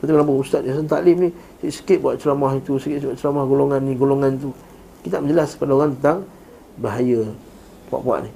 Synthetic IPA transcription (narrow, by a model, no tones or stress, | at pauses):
t̪at̪iklamp̬aust̪at̪̚s̬ənt̪a̰lɪmni | ʔsə̥kɪt̪̚buwaʔ̪̚t͡ʃəlamahit̪usəkɪt̪aʔt͡ʃəlamahɡoloŋanːiɡoloŋanit̪u | ki̥t̪aaʔməɲd͡ʒəlaspadaoɣaŋt̪ənt̪aŋ | baɦajə | pua̰ʔpua̰ʔni